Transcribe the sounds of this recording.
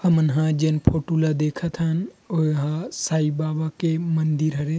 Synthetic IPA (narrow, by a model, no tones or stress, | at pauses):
hɐmənɦãd͡ʒenpʰoːʈulad̪eːkʰət̪ʰənoɦãsaːibaːbakemɐnd̪iɾɦɐɾe